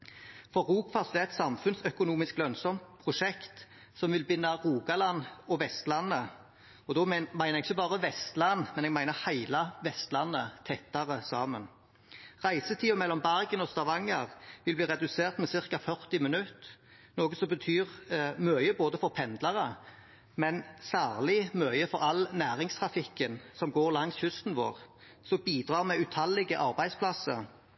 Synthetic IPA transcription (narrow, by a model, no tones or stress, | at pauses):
fɔʁuːkfɑsd̪ɛːɛɪt̪sɑmfʉnsœkʊnuːmɪsklœnsɔmt̪̚pʰʁʊʂɛkt̪ | sɔmʋɪlbʏnːɑʁuːɡɑlɑnɔʋɛst̪lɑnːə | ɔd̪ɔːmæɪʁɛɡɪçːəbɑːʁəʋɛst̪lɑnmɛnɛɡmæɪnəʁhæɪlɑʋɛst̪lɑnːət̪ʰɛt̪ːɑʁəsɑːmən | ʁæɪsət̪ʰiːʊmɛlːɔmbæʁɡənɔst̪ɑʋɑŋːəʁʋɪlbliːʁɛd̪ʉseːʁt̪mɛsɪʁkɑfœʁt̪ɪmɛnʉt̪ | noːɡəsɔbət̪ʰyːʁmœʏəboːd̪əfɔʁpʰɛnd̪lɑʁə | mɛnsæːʁlɪmœʏəfɔɾɑlnæːʁɪŋst̪ʰʁɑfɪkːənsɔmɡoːʁlɑŋsçʉst̪n̩ʋo̰ːʁ | sɔbiːd̪ʁɑːʁmɛʉt̪ʰɑlːɪɡəʔɑʁbæɪd̪spʰlɑsə